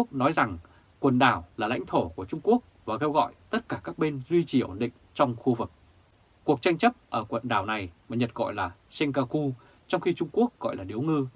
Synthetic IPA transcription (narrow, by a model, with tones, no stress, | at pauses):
ək̚nɔ˨˦jza˨˩ŋ | kwə˨˩nɗaː˧˩wlaː˨˩la̰˧˥jŋ̟t̪ʰo˧˩ku˧˩ət͡ɕʊ˧ŋ͡mku˦˥ək̚vaː˨˩ke˧wɣɔ̰˧˨jt̪ə˦˥t̚kaː˧˩kaː˦˥k̚ɓe˧nzwi˧t͡ɕi˨˩ʔo̰˨˩nɗḭ̈˧˨ŋ̟t͡ɕɔ˧wŋ͡mxu˧vɨ˨˩k̚ː | u˨˩ək̚t͡ɕa˧jŋ̟t͡ɕə˦˥p̚ʔəː˧˩kwə̰˧˨nɗaː˨˩wna˨˩jmaː˨˩ɲə˨˩t̚ɣɔ̰˧˨jlaː˨˩sɛ˧ŋkaː˧ku˧ | t͡ɕɔ˧wŋ͡mxi˧t͡ɕʊ˧ŋ͡mku˦˥ək̚ɣɔ̰˧˨jlaː˨˩ɗi˨˩əwŋɨ˧